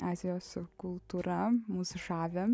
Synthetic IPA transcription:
ɑːzʲɪjoːskʊlˠt̪uːɾɐmuːsʊʃɑːʋʲɛ

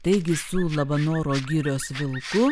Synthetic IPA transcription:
t̪ɐɪɡʲɪsʊlˠɐbɐnoːɾoːɡʲɪɾʲoːsʋʲɪlˠkʊ

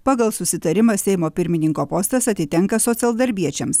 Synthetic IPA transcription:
pɑːɡɐlˠsʊsʲɪt̪ɐɾʲɪmɐsʲɛɪmoːpʲɪɾʲmʲɪnʲɪŋkoːpoːst̪ɐsɐt̪ʲɪt̪ʲɛŋkɐsoːt̪sʲɛlˠd̪ɐɾʲbʲiɛt͡ʃʲɛms

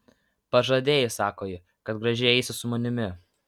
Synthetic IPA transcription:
pɐʒɐd̪ʲeːjɪsɑːkoːjɪ | kɐt̪ɡɾɐʒʲɪɛɪsʲɪsʊmɐnʲɪmʲɪ

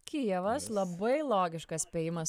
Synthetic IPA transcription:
kʲiɛʋɐslˠɐbɐɪlˠoːɡʲɪʃkɐspʲɛːjɪmɐs

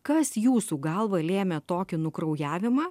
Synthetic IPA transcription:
kɐsjuːsuːɡɐlˠʋɐlʲeːmʲɛt̪oːkʲɪnʊkɾɐʊjæːʋʲɪmɑː

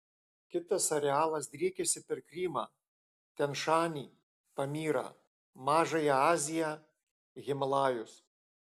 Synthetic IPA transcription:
kʲɪt̪ɐsɐɾʲɛɑːlˠɐsd̪ʲɾʲiːkʲɛsʲɪpʲɛɾkɾʲiːmɑ̰ː | t̪ʲɛnʃɑːnʲiː | pɐmʲiːɾɐ̰ | mɑːʒɐjɛɑːzʲɪjɛ | ɣʲɪmɐlˠɑːjʊs

